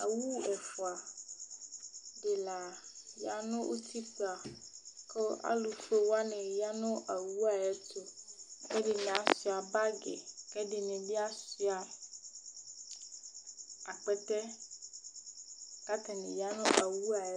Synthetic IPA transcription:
a̰˨wu˦ɛ˨fɔ˨a˨ | ɖɪ˨la˨ja˨nʊ̃˦ʔo˦t̪ʰi˦sa˨kɔ˦a̰˦lu˨fe˦wa˦nɛ̃˨ja˦nʊ̃˦ʔa˨wu˦a˨ɛ˦t̪o˦kɛ˦ɖɪ˨nɛ̃˨a˨si˨a˨ba˦ɡɛ̰˨kɛ˦dɪ˨nɛ̃˨bi˦a˦si˦a˨ | a˨k͡pɛ˦t̪ɛ˦ | ka˦t̪a˨nɪ̰̃˨ja˦nʊ̃˦ʔa˨wu˦a˨ɛ˦

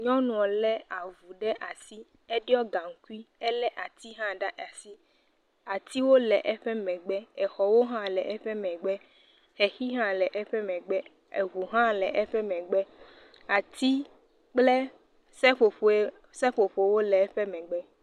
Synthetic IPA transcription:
ɲɔ̃˦nũ˨ɔ˨lɛ˦a˨vu˨ɖɛ˦ʔa˨si˦ | e˦ɖi˦ɔ˦ɡa˨ŋ̩˨˦ku˦i˦ɛ˦lɛ˦ʔa˨t̪i˦ɦã˦ɖa˦ʔa˨si˦ | a˨t̪i˦wo˦lɛ˨ʔɛ˦ɸɛ˦mɛ̃˨ɡ͡bɛ˦ɛ˨xɔ˨wo˦ɦã˦lɛ˨ʔɛ˦ɸɛ˦mɛ̃˨ɡ͡bɛ˦ | xɛ˨xi˦ɦã˦lɛ˨ʔɛ˦ɸɛ˦mɛ̃˨ɡ͡bɛ˦ | ḛ˨ɦu˨ɦã˦lɛ˨ʔɛ˦ɸɛ˦mɛ̃˨ɡ͡bɛ˦ | a˨t̪i˦ | k͡ple˦ | sɛ˦ɸo˨ɸo˨ | sɛ˦ɸo˨ɸo˨˦wo˦lɛ˨ɛ˦ɸɛ˦mɛ̃˨ɡ͡bɛ˦

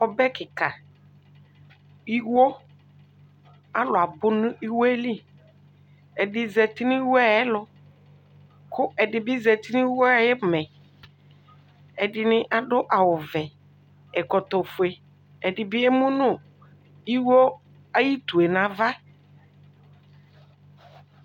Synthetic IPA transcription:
ɔ˨bɛ˦kɪ˨ka˨ | i˦wo˦ | a˦lʊ˨a˨bʊ˦nʊ̃˦i˦wo˦e˦li˦ | ɛ˨dɪ˨zɛ˨tɪ˦nĩ˦i˦wo˦a˨jɪ˦lʊ˦ | kʰʊ˦ʔɛ˨dɪ˨bɪ˦zɛ˨ti˦nĩ˦wo˦a˨jɛ˦˨mɛ̃˨ | ɛ˨dɪ˨nɪ̃˦ʔa˨ɖʊ˦ʔa˨wʊ˨vɛ˨ | ɛ˨kɔ˨t̪ɔ˨fʊ˨e˨ | ɛ˨dɪ˨bɪ˦ɛ˦mʊ̃˦nʊ̃˦˨ | i˦wo˦ | a˦ji˦t̪u˨e˨nã˨va˦

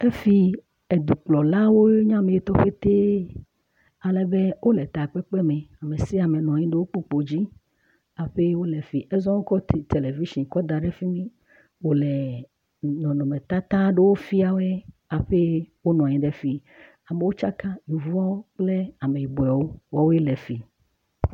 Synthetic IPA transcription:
e˦fi˦ | e˨d̪u˨k͡plɔ˨la˦wo˦ɲã˦me˨je˨t̪ɔ˦ɸe˦t̪e˦ | a˨le˨be˦wʔo˦le˨t̪a˨k͡pe˦k͡pe˦mẽ˨a˨me˨si˦a˨me˨nɔ̃˨ɲĩ˦ɖe˦wo˦k͡po˦k͡po˨d͡ʑi˦ | a˨ɸe˦wo˦le˨fi˨ʔe˦zɔ̃˦wo˦kɔ˦ti˨t̪e˨le˨vi˦ʃĩ˨kɔ˦d̪a˨ɖe˦fi˦mĩ˦ | wo˨le˨ | nɔ̃˨nɔ̃˨mẽ˨t̪a˦t̪ã˦ɖe˦wo˦fi˦a˨wɛ˦ | a˨ɸe˦wo˦nɔ̃˨ɲĩ˨ɖe˦fi˨ | a˨me˨wo˦t͡ʃa˦ka˦ji˨vu˦a˦wo˦k͡ple˦a˨me˨ji˨bo˨ɛ˨wo˦wɔ˦wo˦je˦le˨fi˨

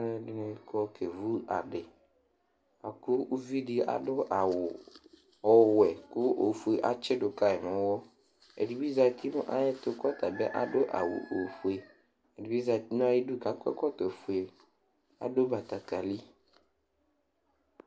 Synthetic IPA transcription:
ɛ˦˨ɖɪ˦nɛ̃˦kɔ˦kʰe˨vu˦a˨ɖɪ˨ | a˨kʊ˦u˦vi˦ɖi˦a̰˨ɖʊ˦ʔa˨wʊ˨ | ɔ˦wɛ˨kʊ˦o˨fu˨˦e˨ʔa˦t͡ʃɪ˦ɖʊ˨ka˦ɛ˨mɛ̃˨˦wɔ˦ | ḛ˨ɖi˨bi˦za˨t̪i˦nʊ̃˦ʔa˦jɛ˦t̪ʊ˦kɔ˦t̪a˨bɛ˦ʔa̰˨ɖʊ˦ʔa̰˨wṵ˨ʔo˨fu˦e˨ | e˨di˨bi˦za˨t̪i˦nʊ̃˦a˦ji˦du˦ka˨kɛ̰˦kɔ˦t̪ɔ˨fu˨e˨ | a̰˨ɖo˦ba˨t̪a˨ka˨li˦

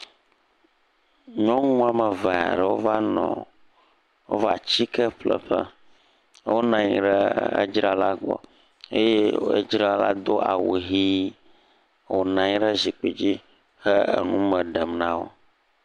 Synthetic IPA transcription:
ɲɔ̃˦ŋũ˦a˨mə˨va̰˨ɖɛ˨wo˦va˦nɔ̰̃˨ | wo˦va˨t͡ɕi˦kə˦ɸlə̰˨ɸə˦ | wo˦nã˨ɲi˨ɖə˦ə̰˦d͡ʒɾa˦la˦ɡ͡bɔ̰˨ | e˦je˦ḛ˦d͡ʒɾa˦la̰˦d̪o˦ʔa˨wo˨ɦi˦ | wo˨nã˨ɲi˦ɖə˦zi˨k͡pe˨d͡ʑi˦ | hə˦ə̰˨nũ˦mə˨ɖə˨mnã˦wo̰˦

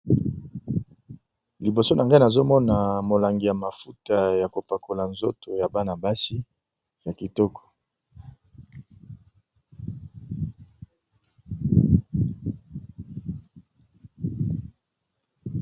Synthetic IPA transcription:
li˨bo˨so˦nʔa˨ŋɡa˦i˦na˨zo˦mɔ˦na˨mo˨la˨ŋɡi˨ja˨ma˨fu˦ta˨ja˨ko˨pa˨kʰo˨la˨nzo˦to˨ja˨ba˦na˨ba˦si˦ | ja˨ki˨tɔ˦kʰɔ̥˨

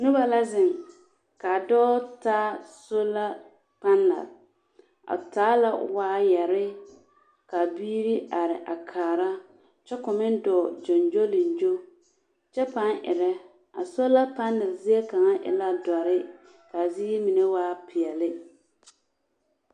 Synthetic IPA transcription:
nʊ˦ba˦la˦zɪ˨ŋ | ka˨dɔː˦taː˦so˦la˦ | pa˦nːɪ̰˨l | a̰˨taː˦la˦waː˦jɛ˨ɾɪ˦ | ka˨biː˦ɾi˦a˨ɾɪ̰˨ʔa˨kʰaː˨ɾa˦ | t͡ʃɛ˦kʊ˨mɪ˦n˦dɔː˨d͡ʒɔ˨nd͡ʒo˦lɪ˨n˨d͡ʒo˦ | t͡ʃɛ˦pa˦ŋʔɪ̰˨ɾɛ˦ | a̰˨so˦la˦pa˦nːɪ˨lzɪ˦e˦ka˨ŋa˦ʔɪ̰˨la˦dɔ˨ɾɪ˦ | ka˨ziː˦mi˨ne˦waː˦pɪ˨ɛ˨lɪ˦

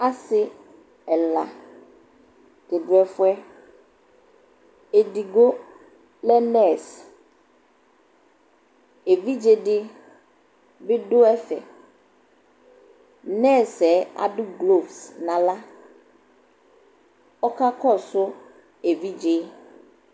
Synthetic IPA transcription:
a˦sɪ˦ | ɛ˨la̰˨ | tɪ˨dɛ˦fʊ˦ɛ˦ | e˨di˨ɡo˦ | lɛ˦nɛ˦˨s | e˨vi˦d͡ʒe˦dɪ˦ | bɪ˦dʊ˦ɛ˦fɛ̰˨ | nɛ˦˨sɛ˨a̰˨ɖʊ˦ɡlo˦˨vsnã˨la˦ | ɔ˦ka˦kɔ˦sʊ˦ | e˨vi˦d͡ʒe˦

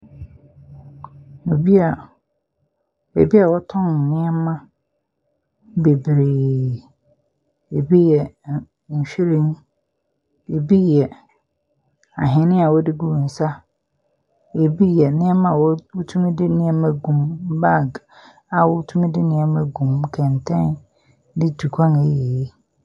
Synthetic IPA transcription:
o˨bi˦a˨ | ḛ˨bi˦a˨wɔ˦tʰɔ̃˦n˨nɪ̃˦ɛ˦mã˦ | be˨bɾeː˨ | e˨bi˦jɛ˨ | ɲ̩˨ɕᶣi˦ɾẽ˦n˦ | e˨bi˦jɛ˨ | a˨ɦɛ̃˨˦nɪ̃˦a˨wɔ˦dɪ˦ɡu˦wũ˨n̩˨sa˦ | e˨bi˦jɛ˨nɪ̃˦ɛ˦mã˦˨wɔ˦wu˦tʰũ˦m̃˦dɪ˦nɪ̃˦ɛ˦mɛ̃˨ɡũ˨m˦ba˦˨ɡ | a˨wɔ˦tʰũ˦m̃˦dɪ˦nɪ̃˨ɛ˦mɛ̃˨ɡũ˨m˨kʰɛ̃˨n˨tʰɛ̃˦n | dɪ˦du˨kʷʰã˦ŋe˨je˨˦

